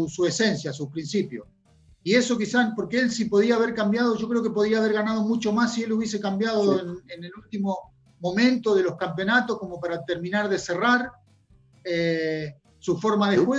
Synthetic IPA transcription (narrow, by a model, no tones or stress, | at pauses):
sue̞se̞nsjasupɾinsipjo̰s | ie̞so̞kisanpo̞ɾkeelsipo̞ð̞iaːβ̞e̞ɾkambjað̞o̞ʒo̞kɾeo̞kep̬oðɾiaːβ̞e̞ɾɣanað̞o̞mut͡ʃo̞masːieluβ̞jes̬ekambjað̞oenenelult̪imo̞ | mõ̞mẽ̞nt̪o̞ð̞e̞lo̞hkampjo̞nat̪o̞hko̞mo̞paɾat̪eɾmĩnaɾðe̞seraɾ | e | sufo̞ɾmaðexwe